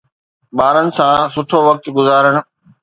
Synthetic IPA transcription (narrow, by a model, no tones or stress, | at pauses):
ɓaːɾənɪ̆sãsʊʈʰoʋɐk̚t̪ɡʊzaːɾəɽ̃̆